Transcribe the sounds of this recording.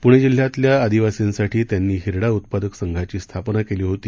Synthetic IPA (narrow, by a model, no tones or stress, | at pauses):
puɳ̃ed͡ʑil̤jat̪ljaːd̪iʋasinsaʈʰiːt̪janːiːɦiɾɽaut̪̚pad̪əksəŋɡʱat͡ɕiːst̪ʰapnakeliːɦot̪iː